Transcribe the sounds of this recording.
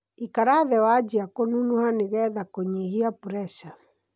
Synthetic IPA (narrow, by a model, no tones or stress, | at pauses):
ikaɾaðɛwad͡ʒiakonunuhaneɣɛðakoɲehiapuɾɛsa